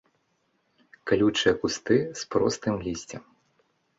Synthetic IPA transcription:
kalʲut͡ʂɨjɐkust̪ɨspɾɔ̰st̪ɨmlʲisʲt͡sʲɛm

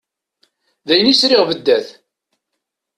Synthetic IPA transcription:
ðæjnisɾɪʁvəd̪ːæθ

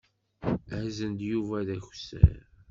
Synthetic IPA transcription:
hzənd̪juvæðæçsə̰ɾ

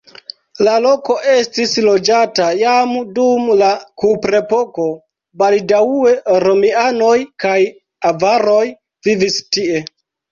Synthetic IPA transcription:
lalo̞ko̞ʔe̞stislo̞d͡ʒatajamdumlakupɾe̞po̞ko̞ | baldaue̞ɾo̞miano̞jkaj | avaɾo̞j | vivistie̞

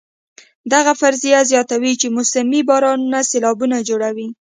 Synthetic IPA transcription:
d̪aɣafaɾzijazjɑt̪awit͡ʃemʊsamibɑɾɑnunaselɑbunad͡ʒoɽawi

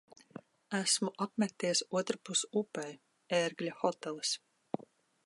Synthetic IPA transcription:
æsmuʔapmʲɛkt̪ijsuɔt̪ɾapusupɛj | eɾɡlʲaxɔt̪ɛlˠɨs

